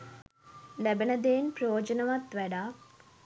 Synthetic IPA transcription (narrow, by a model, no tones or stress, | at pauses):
lɛbenɐd̪eːnpɾoːd͡ʒɐnɐʋɐt̪ʋɛɖaːk